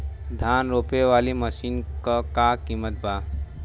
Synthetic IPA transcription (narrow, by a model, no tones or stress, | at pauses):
d̪ʱaːnɾoːpeʋaːliməʃiːnkakakiːmət̪̚baː